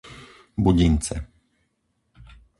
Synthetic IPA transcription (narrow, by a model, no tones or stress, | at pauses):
buɟint̪sɛ